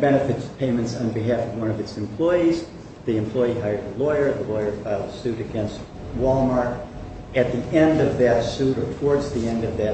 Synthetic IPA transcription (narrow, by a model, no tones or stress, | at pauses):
b̥ɛnɨfɨtspʰẽɪ̃mɨ̃ntsn̩bɨɦæfʌvwʌ̃ñʌvɨtsɨ̃mpʰl̥ɔɪiz | ðiɨ̃mpʰl̥ɔɪiɦaɪə˞əlɔɪə˞ðəlɔɪə˞faɪlˠəsʉɾɨɡɛ̃nst̚ | wɔlˠmɑɹk | ɨt̪̚ðiʔɛ̃ndʌvðɨtsuɾə˞tʰwɔɹdzðiɛ̃ndʌvðɨ